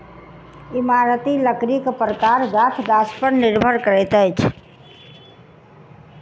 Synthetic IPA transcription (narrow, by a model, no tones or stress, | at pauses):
imaɾət̪iləkɾikpɾəkaɾɡat̪ʰɡ̪aspəɾniɾbʱəɾkəɾɛt̪əjt͡ʃʰ